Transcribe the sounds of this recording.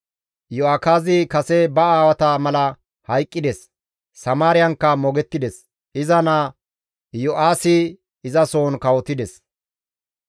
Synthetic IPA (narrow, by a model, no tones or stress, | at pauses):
jɔaːkaːzɪkɐsɛbɐaːwɐt̪ɐmɐlɐ | hɐjkʼːɪd̪ɛs | sɐmaːɾɪjɐŋkːɐmɔɡɛt̪ːɪd̪ɛs | ʔɪzɐnaː | jɔʔaːsɪ | ɪzɐso̞ːnkɐwɔt̪ːɪd̪ɛs